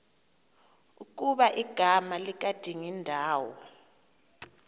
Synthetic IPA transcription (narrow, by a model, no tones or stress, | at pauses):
uk̬ʼuɓaʔiɡ̥ʱamalik̬ad̥ʱiŋindʱaːwɔ